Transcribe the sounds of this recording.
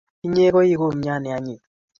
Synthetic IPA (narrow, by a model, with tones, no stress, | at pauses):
i˦ɲe˦ɣo˦ji˦ɣo˦˨m̩˨˦ɲ˦a˦ni˨a˨ɲi˨